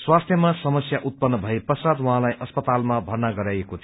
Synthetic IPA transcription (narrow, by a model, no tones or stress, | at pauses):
swast̪ʰjʌmasʌmʌsjaʔut̪̚pʌnːʌbʱʌeprʌsad̪wʌɦãlajʔʌspʌt̪almabʱʌrnaɡʌɾajekot̪ʰ